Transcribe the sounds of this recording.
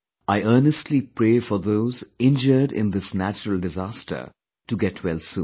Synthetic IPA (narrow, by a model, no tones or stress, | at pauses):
ʔaɪəːnəstʰlipɾeːfɔɾðoːzɪ̃nd͡ʒəɖɪ̰̃nd̪ɪsnæt͡ʃəɾəl̩ˠdɪzaːstʰə̰ | ʈuɡɛtʰwɛlsṵ̃ː